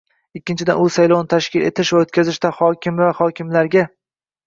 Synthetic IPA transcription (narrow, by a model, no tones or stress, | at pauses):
ɪkʲːɪnt͡ʃʰɪd̪a̰nʊsajlˠownɪt̪ʰaʃkʲɪle̞̰t̪ʰɪʃvaot̪̚kʲʰazɪʃt̪ahɒkʲɪmvahɒkʲʰɪmlaɾɡʲa